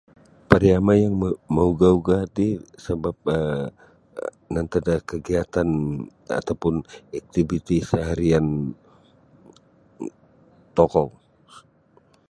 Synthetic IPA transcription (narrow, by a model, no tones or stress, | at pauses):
paɾiamajaŋməuɡauɡat̪isəbap̚ə | nant̪adakəɡiat̪ana̰t̪awpʊnak̚t̪ibit̪isaɦaɾian | t̪ɔkɔ